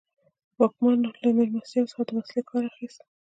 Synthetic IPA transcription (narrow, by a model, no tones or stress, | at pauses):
wɑk̚mɑnlamelmasiɑsxat̪waslikʰɑɾaxist̪